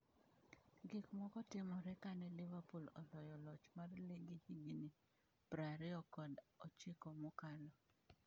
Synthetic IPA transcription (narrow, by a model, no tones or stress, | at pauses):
ɡikmɔkɔtɪmɔɾɛkanɛlɪvapolɔlɔjɔlɔt͡ʃmarleɡihiɡini | pɾaɾɪɔkɔdɔt͡ʃɪkɔmʊkalɔ